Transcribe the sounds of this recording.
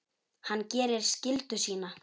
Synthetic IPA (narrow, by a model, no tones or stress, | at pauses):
hanːcɛːɾɪɾ̥scɪlt̪ʏsiːna